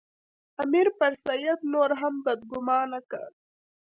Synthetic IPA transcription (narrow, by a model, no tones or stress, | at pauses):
ɐmiɾpɐɾsɐjɐt̪noːɾɦɐmbɐd̪ɡʊmɑːnɐka̰ɾ